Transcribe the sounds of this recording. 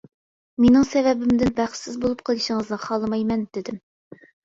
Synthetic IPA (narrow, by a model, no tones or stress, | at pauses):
menɪŋsɛvɛbɪmd̪ɪnbæχsɪzbolˠup̚qʰəlˠɨʃɪŋəznɨχɑlˠɨmɑjmɛnd̪̥ɪd̪ɪm